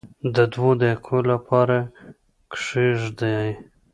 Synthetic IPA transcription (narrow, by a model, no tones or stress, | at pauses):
d̪əd̪wod̪ekʰolapʰɑɾa | kʂeʐd̪aj